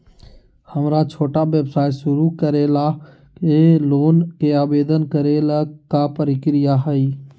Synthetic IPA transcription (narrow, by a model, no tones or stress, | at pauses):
həmɾat͡ʃʰoːʈaʋebsaːjʃʊɾukəɾela | keloːnkeaːbeːd̪ənkəɾelakapəɾɪkɾɪjaɦəiː